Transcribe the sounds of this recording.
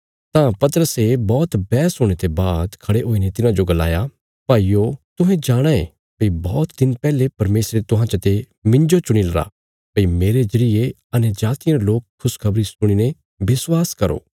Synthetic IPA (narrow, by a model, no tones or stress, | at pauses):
t̪ãpɐt̪əɾəsebɔːt̪bɛːsɦoːɽ̃et̪ebaːd̪kʰɐɽeɦoːinet̪ɪnãd͡ʒoɡɐla̰ːja | paːiːot̪ʊɦẽd͡ʒaːɽ̃aḛ | pɐibɔːt̪d̪ɪnpɛːlepɐɾmeːsɾet̪ʊɦãt͡ʃət̪e | mɪ̃nd͡ʒot͡ʃʊɽ̃ilɐɾa̰ | pɐimeːɾed͡ʒɐɾie | ɐned͡ʒaːt̪ijãɾeloːkʰːʊskʰɐbɾisʊɽ̃ine | bɪswaːskɐɾo̰ː